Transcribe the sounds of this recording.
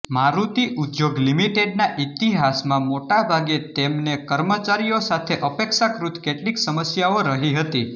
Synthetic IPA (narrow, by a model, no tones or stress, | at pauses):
maɾut̪iʔud̪joɡlimiʈeɖ̚naʔit̪iɦasmãmoʈabʱaɡet̪emnekəɾmət͡ʃaɾijosat̪ʰeʔəpekʃakɾut̪ʰkeʈliksəməsjaoɾəɦiɦət̪i